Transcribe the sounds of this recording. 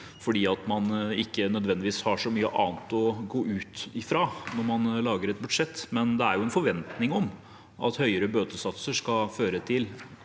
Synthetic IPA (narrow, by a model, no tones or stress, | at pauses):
fɔɖiːɑt̪mɑnɪkːənœd̪ʋɛnd̪ɪʋiːshɑʂɔmyːə̰ʔɑ̰ːnt̪ɔɡoːʔʉːt̪ɪfɾɑːnɔɾmɑnlɑːɡəɾɛt̪̚bʉd̪ʂɛt̪ːmɛnd̪ɛæɾjʊɛnfɔɾʋɛnt̪nɪŋɔm | ɑ̰t̪hœʏəɾəbøːt̪əsɑt̪səʂkɑføːɾət̪ʰɪl